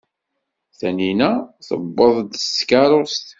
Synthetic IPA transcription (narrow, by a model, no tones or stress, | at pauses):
θæninæθə̰bːəðˤd̪skaɾˤost̪